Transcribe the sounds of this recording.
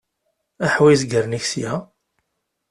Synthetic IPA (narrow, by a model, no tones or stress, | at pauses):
æħwisɡəɾniçsjæ